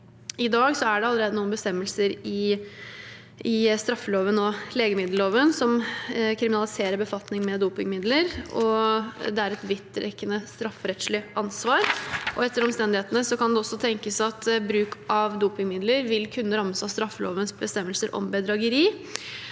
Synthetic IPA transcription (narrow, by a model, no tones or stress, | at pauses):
ɪd̪ɑːɡsɔæɖɛɑlːəɾeːd̪ənuːənbəst̪ɛmːəlsəɾɪ | ɪst̪ɾɑfːəloːʋənɔleːɡəmɪd̪l̩oːʋənsɔmkʰɾɪmɪnɑlɪseːɾəɾbəfɑt̪nɪŋmɛd̪uːpɪŋmɪd̪ləɾɔd̪ɛæɾɛt̪ʋɪt̪ːɾɛ̰kːənəst̪ɾɑfːɾɛt̪slɪʔɑnsʋɑːɾʔɔɛt̪ːəɾɔmst̪ɛnd̪ɪheːt̪ənəsɔkʰɑnd̪ɛɔsːɔt̪ʰɛŋkəsɑt̪bɾʉːkʔɑʋd̪uːpɪŋmɪd̪ləɾʋɪlkʰʉnːəɾɑmːəsɑst̪ɾɑfːəlo̰ːʋənsbəst̪ɛmːəlsəɾʔɔ̰mbəd̪ɾɑɡəɾiː